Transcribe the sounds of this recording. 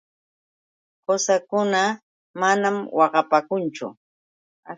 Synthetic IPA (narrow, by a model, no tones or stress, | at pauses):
hosakʊna | manamwɑɢɑpakʊnt͡ʃʊ̰ | a